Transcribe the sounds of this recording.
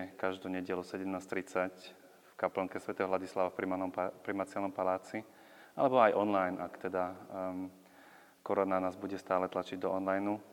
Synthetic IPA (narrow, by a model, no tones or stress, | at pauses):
ɛkaʒd̪ɔɲɛɟɛlɔsɛɟɛmnaːst̪ɾit͡sac | fkapl̩ɔŋkɛsʋɛt̪ɛːɦɔɦlaɟislaʋafɾimɔpɾimat͡sɪalnɔmpalaːt͡si | a̰lɛbɔajʔɔnlajnʔakt̪ɛd̪a | kɔɾɔnanaːzbuɟɛst̪aːlɛt̪lat͡ʃiɟd̪ɔɔnlajnu